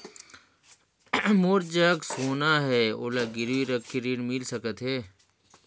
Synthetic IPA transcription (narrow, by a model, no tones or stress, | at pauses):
moːɾd͡ʒaksoːnaːɦɛːo̰ːlaɡɪɾʋiːɾəkʰːiɾiːɽmɪlsɐkət̪ɦeː